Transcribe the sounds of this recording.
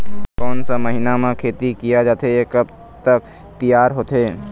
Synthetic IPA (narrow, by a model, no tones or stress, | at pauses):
kɔːnsamɐɦɪnamãkʰeːt̪ikijad͡ʒaːt̪eekɐb | t̪ɐk̚ | t̪ijaːɾɦoːt̪eː